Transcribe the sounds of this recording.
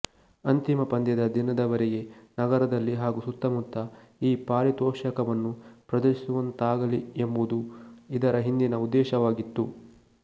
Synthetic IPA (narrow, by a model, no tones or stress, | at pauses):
ɐnt̪imɐpɐnd̪jɐd̪ɐd̪inɐd̪ɐʋɐɾɛɡe̞nɐɡɐɾɐd̪ɐlːiɦaːɡusut̪ːɐmut̪ːɐ | iːpaːɾit̪ɔːʂɐkɐʋɐnːupɾɐd̪ɐɾisuʋɐnt̪aːɡɐliembud̪uid̪ɐɾɐɦind̪inɐud̪ːɛːʃɐʋaːɡit̪ːu